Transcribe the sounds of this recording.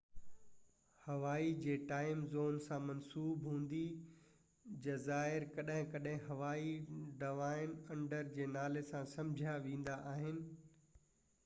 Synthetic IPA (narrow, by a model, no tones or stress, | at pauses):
hɐʋaːid͡ʑeːʈaːɪmzoːnsãmɐnsuːbɦũːnd̪i | d͡ʑɐzaːɪɾkɐɗɦɪ̃kɐɗɦɪ̃ɦɐʋaːiɖɐʋaːɪnɐ̃ɳɖəɾd͡ʑeːnaːlesãsɐ̃md͡ʑʱaʋẽːn̆d̪aʔaːɦɪnɪ̆